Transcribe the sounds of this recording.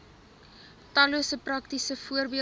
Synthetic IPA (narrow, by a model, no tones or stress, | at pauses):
tɐluəsəprɐktisəfuərbiə